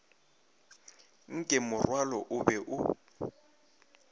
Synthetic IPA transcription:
ŋ̩kʼɛmʊrwalɔʔʊbɛʔʊ

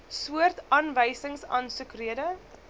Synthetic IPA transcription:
suərtɑːnvəjsəŋsɑ̰ːnsʉkriədə

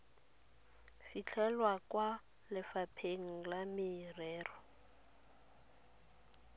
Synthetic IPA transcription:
fit͡ɬʰɛlwakwa | lɪfapʰeŋ̩lamɪrɛːrɔ

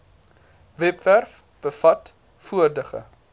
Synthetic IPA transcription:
vɛpværf | b̥əfɐt | fuərdəχə̰

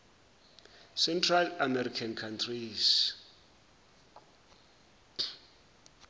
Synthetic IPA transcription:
sɛntʰralamɛɾikʰankʰantʰris

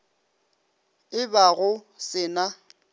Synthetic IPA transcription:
ɪbaɣʊsɪna

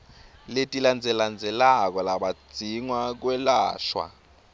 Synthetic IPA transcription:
letʼiland͡zʱɛland͡zʱɛlak̬ɔlaɓḁd͡z̥ʱiŋwak̬wɛlaːʃwa̰

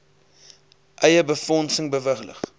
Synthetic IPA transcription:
ʔɛjəbəfɔnsəŋbəvəχlə̰χ

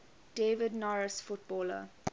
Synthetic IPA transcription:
d̥eːvədnaɹəsfʊt̚bɔːlə̰

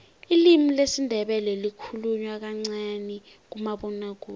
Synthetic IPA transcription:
ilimilesindʱɛɓɛlɛlikʰuluɲwak̬aŋ͡ǀani | k̬umaɓɔnak̬uːl

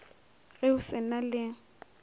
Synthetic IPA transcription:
ɣɛʊsɪnalɪ

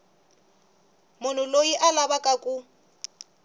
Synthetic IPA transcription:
mʊn̤ʊlojiʔalabakʼakʼu

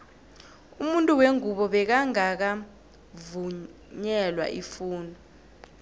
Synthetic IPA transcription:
umuntʼuweŋuɓɔɓɛk̬aŋak̬a | vu | ɲɛlwa̰ʔifuːnɔ

